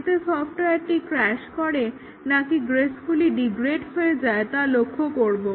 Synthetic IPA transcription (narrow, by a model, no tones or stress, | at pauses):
t̪esɔfʈoek̚ʈikɾɛʃkɔɾe | nakiɡɾesfuliɖiɡɾeɖɦoed͡ʑaet̪alokʰːokoɾbo